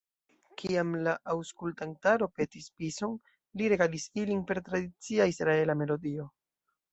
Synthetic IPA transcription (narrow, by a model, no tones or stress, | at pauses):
kʰiamlaʔawskultantaɾo̞pe̞tispiso̞n | liɾe̞ɡalisilinpe̞ɾtɾadit͡siaisɾae̞lame̞lo̞dio̞